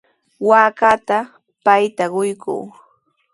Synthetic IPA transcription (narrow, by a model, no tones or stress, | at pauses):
waːkat̪a | pajt̪aɢʊjkṵː